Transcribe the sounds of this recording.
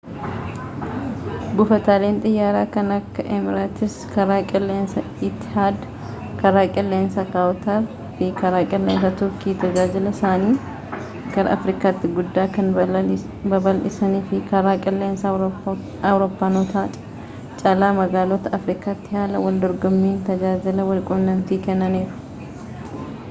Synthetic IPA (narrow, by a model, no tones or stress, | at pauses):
bʊfɐt̪aːleːnt̪ʼɪjːaːɾaːkɐnɐkːɐʔɛmɪɾaːt̪ɪskɐɾaːkʼɛlːeːnsɐ | ɪt̪ːɪ̥haːd̪ɐ̥ | kɐɾaːkʼɛlːeːnsɐkaːwt̪aɾ | fɪkɐɾaːkʼɛlːeːns̬ɐt̪ʊɾkiːt̪ɐɡaːd͡ʒɪlɐsaːniː | kɐɾɐ̰ɐfɾiːkaːt̪ːɪɡʊd̪ːaːkɐn | bɐbɐlʔɪsɐniːfɪkɐɾaːkʼɛlːeːnsɐ | ɐwɾoːpːaːnɔt̪aːt̪ʼ | t͡ʃʼɐlaːmɐɡaːlot̪ɐʔɐfɾikaːt̪ːɪhaːlɐwɐld̪ɔɾɡɔmːiːnt̪ɐd͡ʒaːd͡ʒɪlɐwɐlkʼʊnːɐnt̪iːkɛnːɐniːɾʊ̥